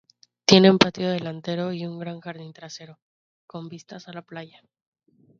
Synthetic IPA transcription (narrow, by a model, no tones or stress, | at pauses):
t̪je̞ne̞umpat̪jo̞ð̞e̞lant̪e̞ɾo̞iuŋɡɾaŋxaɾðint̪ɾase̞ɾo̞ | ko̞mbist̪asalaplaʝa